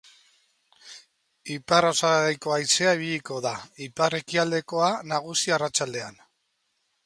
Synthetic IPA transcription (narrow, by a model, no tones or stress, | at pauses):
iparosaɣejko̞ajt͡se̞aiβiʎiko̞ðaipare̞kiald̪e̞ko̞anaɣusiarat͡ʃald̪e̞an